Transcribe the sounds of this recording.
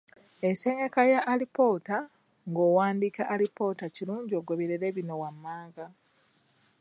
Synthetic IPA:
eseɲakajaʔːlipo̞ːta | ŋɡo̞ːwaːndikaʔːlipo̞ːtaciɾuːɲɟo̞ːɡoβiɾeɾeβino̞wamːaːɡa

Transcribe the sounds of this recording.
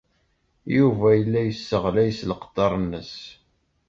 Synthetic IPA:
juvæjəlːæjəsːəʁlæjsləqə̥d̪ˤːɑɾˤnːəs

